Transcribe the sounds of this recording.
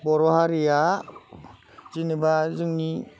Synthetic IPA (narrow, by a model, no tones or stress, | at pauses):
bɔɾɔɦaɾija | zinɯbazɯŋni